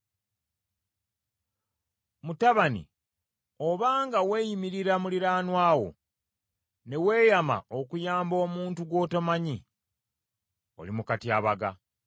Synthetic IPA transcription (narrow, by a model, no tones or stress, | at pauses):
mutaβanḭ | oβaːŋɡawe̞ːjimiɾiɾamuliɾaːnwaːwo̞̰ | ne̞we̞ːjama̰okujaːmbo̞ːmuːntuɡwo̞ːtamaɲi | o̞̰limukatiaβaɡa̰